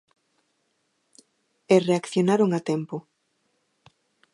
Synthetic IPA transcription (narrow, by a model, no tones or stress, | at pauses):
ereakθjonaɾoŋat̪empo